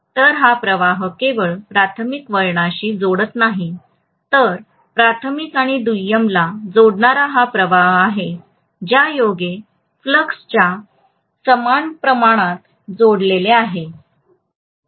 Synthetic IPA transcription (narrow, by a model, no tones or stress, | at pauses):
t̪əɾɦapɾəʋaɦəkeʋəɭpɾat̪ʰəmikʋəɭɳaɕiːd͡zoɽət̪naɦi | t̪əɾ | pɾat̪ʰəmikaɽ̃id̪ujəmlad͡zoɽɳaɾaɦapɾəʋaɦaɦe | d͡ʑjajoɡe | fləkst͡ɕja | səmanpɾəmaɽ̃at̪ | d͡zoɽleleaɦe